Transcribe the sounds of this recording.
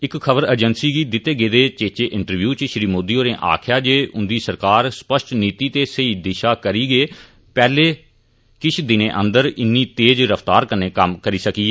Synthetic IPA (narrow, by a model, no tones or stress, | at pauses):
ɪkkʰəbəɾəːd͡ʒənsiːɡiːd̪ɪt̪ːeːɡeːd̪eːt͡ʃeːt͡ʃeːʔɪɳʈəɾʋjuːt͡ʃʃɾiːmoːd̪iːoːɾẽːʔa̰ːkʰjaːd͡ʒeːʔʊnd̪iːsəɾkaːɾspəʃʈniːt̪iːt̪eːsəiːd̪ɪʃaːkəɾiːɡeː | pɛːleː | kɪt͡ʃʰd̪ɪnẽːʔə̃nd̪əɾɪnːiːt̪eːd͡ʒɾəft̪aːɾkəɾneːkəmkəɾiːsəkiːɛː